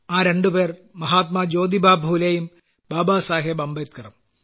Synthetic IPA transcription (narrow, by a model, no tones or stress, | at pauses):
aːɾe̞ɳɖupeːrmɐɦaːt̪maːd͡ʑo̞ːd̪ibaːbʱɐːilejum | baːbaːsaːɦebɐmbeːt̪kɐrɐm